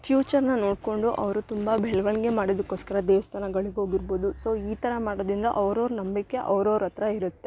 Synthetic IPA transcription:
fjuːt͡ʃɐɾnɐno̞ːɽko̞ɳɖuʔɐʋɐɾut̪umbɐbʱɛɭʋɐɳɡe̞maːɽod̪ɐkːo̞ːskɐɾɐd̪ɛːʋɐst̪ʰaːnɐɡɐɭiɡeɦoːɡiɾbo̞ːd̪uso̞ːiːt̪ɐɾɐmaːɽoːd̪ind̪ɐʔɐʋɾoːɾnɐmbikːe̞ʔɐʋɾoːɾɐt̪ɾɐiɾut̪ːe̞

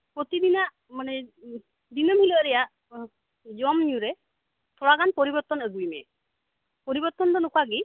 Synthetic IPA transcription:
pɾot̪id̪inaʔ | manɛ | d̪inɔmilɔʔɾɛjaʔ | d͡ʒɔmniuɾe | t̪ʰɔɽaɡanpɔɾibɔɾt̪ɔnəɡujmɛ̰ | poɾibɔɾt̪ɔnd̪ɔnukʰaɡi

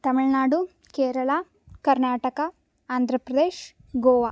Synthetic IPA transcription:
t̪ɐmiɭnaːɽu | keːɾɐɭa | kɐɾnaːʈɐkɐ | aːnd̪ʱɾɐpɾɐd̪eːʃ | ɡoːʋaː

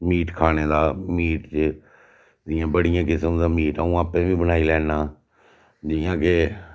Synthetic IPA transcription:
miːʈkʰaːñeːd̪aːmiːʈt͡ʃ | d̪ɪjãːbəɽɪjãːkɪsəmd̪aːmiːʈəũːaːpẽːbĩːbəñaːiːlɛːnaː | d͡ʒɪjãːke

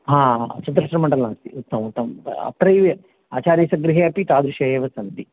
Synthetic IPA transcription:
ɦãːt͡ʃɐnd̪ɐɾɐʂʈɾɐmɐɳɖɐlnaːst̪ḭut̪ːɐmut̪ːɐm̰ɐ̰pɾɐjʋe | aːt͡ʃaːɾjɐːsɐɡɾiɦeɐpit̪aːd̪ɾuʃɐjeːʋɐsɐnt̪i

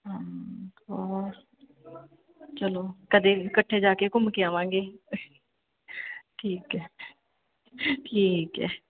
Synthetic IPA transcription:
ɦãːɔːɾ | t͡ʃəloːkəd̪eːkəʈʰːeːd͡ʒaːkeːkʊmkeaːʋãːŋɡeː | ʈʰiːkɛː | ʈʰiːkɛː

